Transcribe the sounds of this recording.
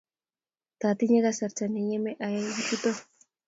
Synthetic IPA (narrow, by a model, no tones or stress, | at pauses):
t̪at̪iɲeɣasaɾt͡ʃaniɲemeʔajajɡitut̪o